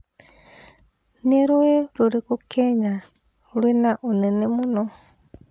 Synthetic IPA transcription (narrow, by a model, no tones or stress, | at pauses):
niɾuweɾuɾikukeɲa | linaʔunenemuno